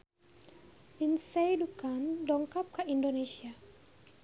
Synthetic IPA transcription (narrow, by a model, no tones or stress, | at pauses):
linsejdukandɔŋkap̚kaʔindonesia